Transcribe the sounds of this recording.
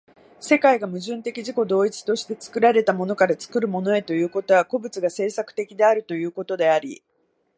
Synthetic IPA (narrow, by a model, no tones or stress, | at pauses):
se̞kaiɡamɯ̟ʑɨ̃nt̪e̞kʲiʑiko̞d̪o̞ːit͡si̥t̪o̞ɕi̥t̪e̞t͡sɨ̥kɯ̟ɾaɾe̞t̪amo̞no̞kaɾat͡sɨ̥kɯ̟ɾɯ̟mo̞no̞e̞t̪o̞jɯ̟ːko̞t̪o̞βako̞bɯ̟t͡sɨɡase̞ːsakɯ̟̥t̪e̞kʲid̪e̞aɾɯ̟t̪o̞jɯ̟ːko̞t̪o̞d̪e̞aɾʲḭ